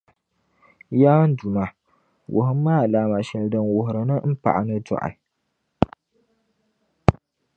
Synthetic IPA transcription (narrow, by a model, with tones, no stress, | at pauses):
jaː˦n̩˦du˨ma˨ | wʔʊ̰˨hʊ˦mːaː˦˨laː˨˦˨ma˨ʃɛ˨ldɨ˨nwʊ˨ɦʊ˨ɾɨ˨nɨ˦m̩˦pa̰˨ʔa˨nɨ˦tɔ̰˨ʔa̰˨